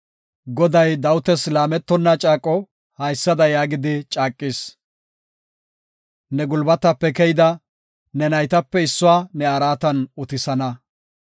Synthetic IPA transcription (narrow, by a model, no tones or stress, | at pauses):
ɡɔd̪ɐjd̪ɐwʊt̪ɛslaːmɛt̪ːɔnːɐt͡ʃʼaːkʼɔ | hɐjsːɐd̪ɐjaːɡɪd̪ɪt͡ʃʼaːkʼːɪs | nɛɡʊlbɐt̪ːɐpːɛkɛjɪd̪ɐ | nɛnɐjt̪ɐpːɛɪsːʊwaːnɛɐɾaːt̪ɐnʊt̪ɪsɐnɐ